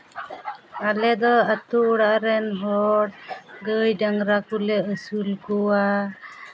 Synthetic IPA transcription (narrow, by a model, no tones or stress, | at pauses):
alɛd̪ɔat̪uːɽaʔɾɛnɦɔɽɡəjɖaŋɾakulɛəsulkuwa